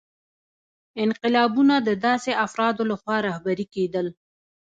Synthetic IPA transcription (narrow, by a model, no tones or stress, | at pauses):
ɪnqɪlɑbunad̪əd̪ɑseʔafɾɑd̪olaxwɑɾɑhbaɾiked̪əl